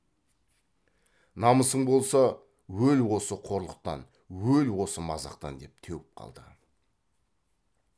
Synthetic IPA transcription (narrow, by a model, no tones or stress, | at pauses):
nɑməsəɴbo̞lˠsɑ | wɵlwo̞səqʰo̞ɾlˠəq̚t̪ɑ̰n | wɵlwo̞səmɑzɑ̰qt̪ɑ̰nd̪e̞p̚t̪ʰewɪp̚qʰɑ̰lˠd̪ə̰